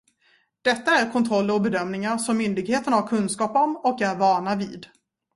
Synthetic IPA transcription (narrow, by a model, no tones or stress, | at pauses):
d̪̥ɛt̪ːaæɾkʰɔnt̪ʰɾɔlːəɾɔbɛd̪œmnɪŋaɾʂɔmːʏnd̪ɪɡheːt̪ənhaɾkʰɵnskɑːpɔmɔkæɾvɑːɳavḭːd̪